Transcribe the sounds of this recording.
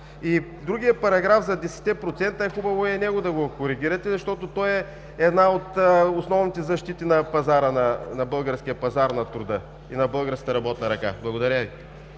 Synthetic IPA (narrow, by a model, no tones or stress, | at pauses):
id̪ɾuɡʲijəpɐɾɐɡɾafzɐd̪ɛsɛ̥t̪ːɛpɾot̪sɛnt̪ɐɛxubɐvoɛnɛɡod̪ɐɡokoɾiɡʲiɾɐt̪ɛzɐʃt̪ɔt̪ot̪ɔɛ | ɛd̪naot̪osnɔvnit̪ɛzɐʃt̪it̪inɐpɐzaɾənɐnɐbɤlˠɡəɾsk̟ijəpɐzaɾnɐt̪ɾʊd̪ɤ | inɐbɤlˠɡəɾskə̥t̪ɐɾɐbɔt̪nɐɾɐka̰blˠɐɡod̪ɐɾʲəvi